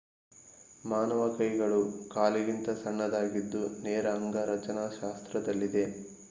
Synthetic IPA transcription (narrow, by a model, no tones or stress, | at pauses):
maːnɐʋɐkɐjɡɐɭukaːliɡint̪ɐsɐɳːɐd̪aːɡid̪ːunɛːɾɐːŋɡɐɾɐt͡ʃɐnaːʃaːst̪ɾɐd̪ɐlːid̪e̞